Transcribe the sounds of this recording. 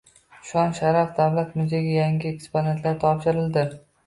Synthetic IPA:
ʃɒnʃaɾafd̪avlat̪mʊzeɡʲajaŋɡʲɪekspone̞nt̪ʰlaɾt̪ʰɒpʃɪɾɪld̪ɪ

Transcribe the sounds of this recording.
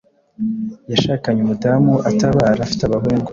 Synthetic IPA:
jaʃaːkaɲumutamuʔataβaːɾafi̥taβaɦoeŋɡo

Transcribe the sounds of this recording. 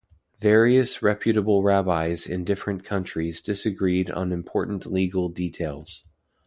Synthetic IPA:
vɛɹiɨsɹɛpʰjɨɾəbl̩ˠɹæbaɪzɪ̰̃ndɪfɹɨ̃nkʰʌ̃nt͡ʃɹ̥izdɪsɨɡɹiɾn̩ɨ̃mpʰɔɹʔn̩ʔliɡl̩ˠditʰeɪlˠz̥

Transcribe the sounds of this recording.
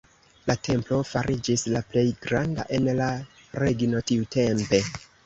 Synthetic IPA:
latʰe̞mplo̞faɾʔid͡ʒislaple̞jɡɾanda̰ʔe̞nla | ɾe̞ɡino̞tiute̞mpe̞

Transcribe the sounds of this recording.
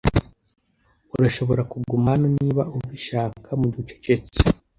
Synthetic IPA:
uɾaʃo̞βo̞ɾakuɡumanoniːβaʔuβiʃaːkʰamuɟit͡ʃo̥t͡ʃet͡se̥

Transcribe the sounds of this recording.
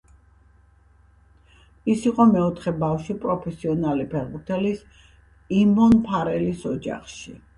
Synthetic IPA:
isiqʼɔmɛɔt̪ʰχɛbafʃipʼɾɔpʰɛsiɔnalipʰɛɾbuɾt̪ʰɛlis | imɔnpʰaɾɛlisɔd͡ʒa̰χʃi

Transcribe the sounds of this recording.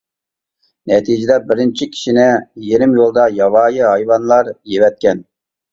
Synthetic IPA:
nɛt̪ʰid͡ʒed̪ɛbɪɾɪnt͡ʃʰikʲʰi̥ʃinɪjeɾɪmjolˠd̪ɑjɑwɑːjiɦɑjwɑnlˠɑɾjevɛt̪̚kʲɛn

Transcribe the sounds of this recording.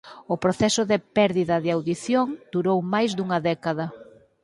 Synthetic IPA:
ʊpɾoθɛsʊðɪpɛɾðiðɐðɪawðiθjoŋd̪̥uɾowmajzðuŋɐðɛkɐðɐ

